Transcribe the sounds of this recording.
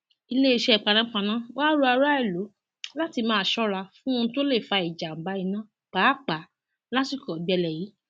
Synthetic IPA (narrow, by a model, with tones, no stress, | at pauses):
i˧le˦i˦˧ʃɛ˧˦˨k͡pa˧nã˨˦k͡pã˧nã˦waː˦ɾo˧˦a˧ɾa˦ɛ˦˨lo˨˦ | la˦ti˧mãː˦˧˨ʃɔ˦ɾa˧fũ˦ũ˧˦to˦le˦˨fa˧i˨d͡ʒa˨m̩˨ba˨˦i˧˦nã˦ | k͡paː˨˦k͡pa˨˦ | la˦ti˦˨kɔ˨ɡ͡bɛ˧lɛ˨ji˨˦